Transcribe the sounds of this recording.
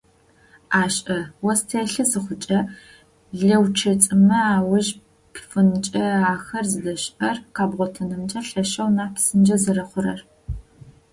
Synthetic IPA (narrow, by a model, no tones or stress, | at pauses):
aːɕʼʔɐwɔstʰeːɬɨzɨχʷʊt͡ʃʼɐ | ɮɐwt͡ʃʰɐt͡sʼɨmɐaːwʊʒ | pʰfɨnt͡ʃʼɐaːxɐrzɨdɐɕɐrqaːbʁʷɔtʰɐnɨmt͡ʃʼɐɬɐʃɐwnaːpʰsɨnd͡ʒɐzɐɾɐχʷʊɾɐr